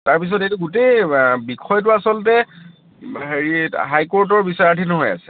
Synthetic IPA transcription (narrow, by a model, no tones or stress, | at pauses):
taɹpis̬ɔtejtuɡutejbikʰɔjt̬ʊasɔltɛ | heɹiɦajkoɹt̬ɔɹbisaɹatʰinɔɦoja̰sɛ̥